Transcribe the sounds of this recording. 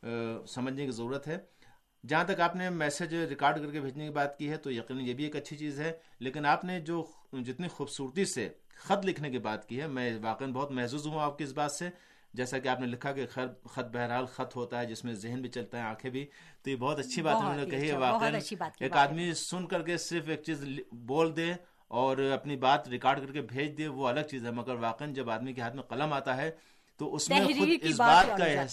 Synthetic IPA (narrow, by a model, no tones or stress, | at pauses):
sɐməd͡ʒʱnekizɐɾuːɾət̪ɦɛː | d͡ʒɐɦãt̪ɐkaːpnemɛːsed͡ʒɾɪkaːɾɖkɐɾkebʱeːd͡ʒnekibaːt̪kiɦɛt̪ojɐqiːnənjebʱieːkɐtːʃʰit͡ʃiːzɦɛleːkɪnaːpned͡ʒoː | d͡ʒɪt̪nixuːbsuːɾt̪ise | xɐt̪lɪkʰnekibaːt̪kiɦɛmɛ̃ʋaːqenbɔɦːt̪mɛɦzuːzɦũaːp̚keɪs̬baːt̪se | d͡ʒɛːsakeaːpnelɪkʰːakexɛɾxɐt̪̚bɛɦɛɾɦaːlxɐt̪ɦoːt̪aɦɛd͡ʒɪsmẽzɪɦnbʱit͡ʃɐlt̪aɦɛãːkʰebʱi | t̪ojebɔːt̪ɐtːʃʰibaːt̪ɦɛmɛ̃õẽkɐɦiɛʋaːenːeːkaːd̪misʊnkɐɾkesɪɾfeːk̚t͡ʃiːzboːld̪e | ɔːɾɐpnibaːt̪ɾɪkaːɾɖkɐɾkebʱeːd͡ʒd̪ieʋoɐləɡ̚t͡ʃiːzɦɛ̃mɐɡəɾʋaːqend͡ʒɐbaːd̪mikeɦaːt̪ʰmẽqɐləmaːt̪aɦɛ | t̪oʊsmẽxʊɪsbaːt̪ka